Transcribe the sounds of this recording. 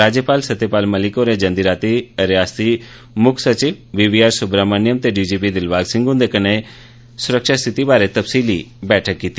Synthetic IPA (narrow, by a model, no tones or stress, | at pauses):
ɾaːd͡ʒjəpaːlsət̪epaːlməlɪkoːɾed͡ʒə̃nd̪iɾaːt̪iəɾeaːst̪i | mʊkʰsət͡ʃiʋʋiːbiːaːɾsʊbɾamənɪjəmt̪eɖiːd͡ʒiːpid̪ɪlbaːɡsɪ̃ŋɡʊ̃nd̪ekəne | sʊɾəkʃaːst̪ʰɪt̪ibaːɾet̪əpsiːlibɛːʈʰəkːiːt̪i